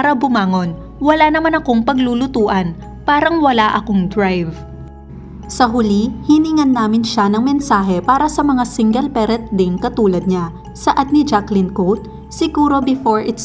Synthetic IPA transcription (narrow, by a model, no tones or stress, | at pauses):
aɾɐbʊmaːŋo̞n | wɐlanɐmanɐko̞ŋpɐɡluːlʊt̪uːʔɐn | paːɾɐŋwɐlaʔɐko̞ŋd̪ɹajv | sɐɦʊlihiniŋɐnːaːmɪnʃanɐŋmɛnsaːɦɛpaːɾɐsɐmɐŋasiŋɡɛlpɛɾɛt̪̚d̪ɪŋkɐt̪uːlɐd̪̚ɲa | sɐʔat̪̚nɪd͡ʒaklɪnkot̪̚ | sɪɡuːɾo̞bɪfoɹʔɪt̪s